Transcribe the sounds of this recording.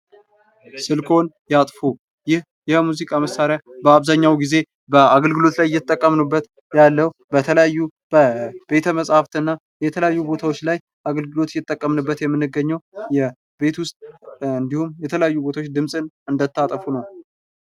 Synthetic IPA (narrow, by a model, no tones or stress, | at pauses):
sɨlkʰo̞n | jat̪ʼfu | jɪh | jɛmuzikʼaməsaɾabəaβzaɲːawɡize̞ | bəaɡəlɡɨlo̞t̪lajɪjɛt̪ʼːəkʼːəmnɨbːət̪ | jalːəwbət̪ʰələjajːu | bəbe̞t̪ʰəməsʼhaft̪ɨnːa | jɛt̪ʰələjajːubo̞t̪ʰawo̞t͡ʃːlaj | ʔaɡəlɡɨlo̞t̪ɨjːɛt̪ʼːəkʼːəmnɨbːət̪jɛmːɨnːɨɡːəɲːɛwjɛ | be̞t̪wʊst̪ʼɨnd̪ihumjɛt̪ʰələjajːubo̞t̪ʰawot͡ʃːd̪ɨmsʼɨn | ɨnd̪ət̪ʰːat̪ʼəfunəw